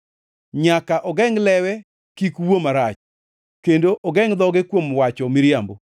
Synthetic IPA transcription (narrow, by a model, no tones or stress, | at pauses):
ɲakaʔɔɡɛŋlɛwɛ | kikuwomaɾat͡ʃ | kendoʔɔɡɛŋd̪ɔɡɪkwomwat͡ʃɔmɪɾjambo